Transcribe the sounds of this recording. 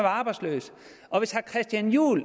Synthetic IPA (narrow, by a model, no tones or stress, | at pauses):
ʋɑ̈ːb̥ɑ̈ɪd̥slø̰ːs | ʔɒ̽ʋe̝shɑkʰʁɛsd̥jænjṵːl